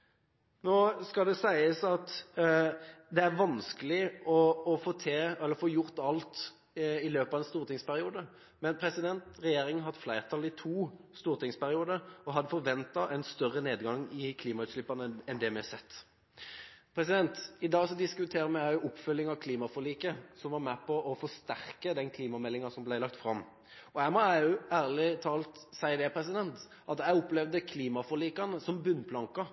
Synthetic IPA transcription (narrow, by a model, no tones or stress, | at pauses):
noːskɑld̪ɛsæɪəsɑt̪ | d̪ɛæʁʋɑnskəlɪɔːfoːt̪ʰɛɛlːəɾfoːjʊʁt̪ɑlt̪ | ɪløːpɑʋɛnst̪uːʁt̪ɪŋspæɾɪuːd̪ə | mɛnpʰɾɛsɪd̪ɛnt̪ʁɛjeːɾɪŋnɦɑd̪flæɪʁt̪ʰɑlɪt̪ʰuːst̪uːʁt̪ɪŋspæɾɪuːd̪əɾɔɦɑd̪ːəfɔɾʋɛnt̪ɑʔɛɪnst̪œʁːəneːd̪ɡɑŋːɪkʰliːmɑʉːt̪slɪpːɑnəɛnd̪ɛmɪɑsɛt̪ː | pʰʁɛsɪd̪ɛnt̪ɪd̪ɑːɡsɔd̪ɪskʉt̪ʰeːɾəmɛæɪʊʊpːfœlːɪŋɑʋkʰliːmɑfɔʁliːkəsɔmʋɑɾmæpʰɔʔɔfɔst̪æʁkəd̪ɛnkʰliːmɑmɛlːɪŋɑsɔmblæɪlɑk̚t̪fɾɑmː | ɔæɪmɔæʉæːʁlɪt̪ʰɑːlt̪sæɪd̪ɛpʰʁɛsɪd̪ɛnt̪ | ʔɑt̪æɪʊplɛʋd̪əkʰliːmɑfɔʁliːkɑnəsɔmbʉnpʰlɑŋkɑ